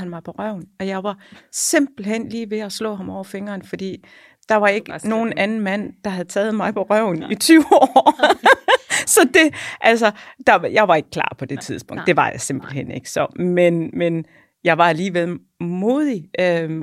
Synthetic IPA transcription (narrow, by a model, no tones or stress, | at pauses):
ænmɑ̈ɪpʰɒʁɶʊ̰nɒ̽jɑ̈ɪʋɑ̈se̝m̰b̥l̩hen̰liːʋe̝ɒslɔ̰̽ːɦɑ̈mɒʊ̰ɐfeŋɐːnfɒ̽d̥ḭː | d̥ɑ̈ʋɑ̈e̝ɡ̥əno̝ːn̩ʔænn̩mæn̰d̥ɑ̈ɦæð̩ˠt͡sʰɛːð̩ˠmɑ̈ɪpʰɒ̽ʁœʊ̰nit͡sʰyʊɒː | sɒ̽d̥e̝ʔælsɒd̥ɑ̈jɑ̈ɪʋɑ̈e̝ɡ̥̚kʰlɑ̰̈ːpʰɒ̽d̥e̝t͡sʰið̞ˠsb̥ɔ̽ŋ̰d̥e̝ʋɑ̈jɑ̈se̝mb̥l̩ɦen̰e̝ɡ̥sɒ̽menmen | jɑ̈ɪʋɑ̈æliːʋel̰ | mo̝ːðˠiʔø